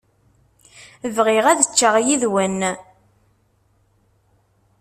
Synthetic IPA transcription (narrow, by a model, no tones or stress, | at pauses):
əvʁɪʁæðət͡ʃːaʁjiðwən